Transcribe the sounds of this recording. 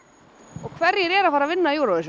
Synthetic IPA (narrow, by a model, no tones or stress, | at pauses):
ɔɣkʰvɛɾjɛɾɛːɾafaːɾavɪnːajuːɾawðɪs